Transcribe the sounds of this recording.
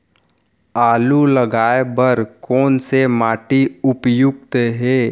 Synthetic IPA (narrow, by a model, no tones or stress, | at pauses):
aːluləɡaːebəɾkɔːnsemaːʈiʊpjʊɡ̚t̪ɦɛː